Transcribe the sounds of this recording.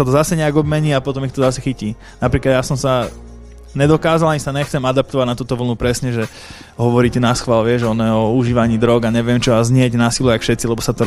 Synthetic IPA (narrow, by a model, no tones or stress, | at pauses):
at̪ɔzasɛɲɛaɡɔbmɛɲiːapɔt̪ɔmixt̪ɔzasɛxiciː | napɾiːklad̪jaːsɔmsa | ɲɛd̪ɔkaːzalaɲisaɲɛxtt͡sɛmad̪ap̚t̪ɔʋaɟʲnat̪uːt̪ɔʋl̩nupɾɛsɲɛʒɛ | ɦɔʋɔɾiːcɛnasxʋalʋɪɛʒɛɔnjɛɔuʒiːʋaɲiːd̪ɾɔɡaɲɛʋɪɛmt͡ʃɔazɲɪɛɟnasiːluakfʃɛt̪t͡silɛbɔsat̪ɔ